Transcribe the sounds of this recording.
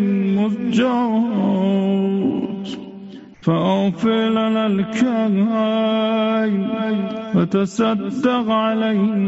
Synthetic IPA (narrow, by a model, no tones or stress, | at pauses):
mʊsˤd͡ʒɑɾˤ | t̪ | faʔaɣfɪɾlanalkaɾha | j | wat̪asad̪ːɑqʕalajh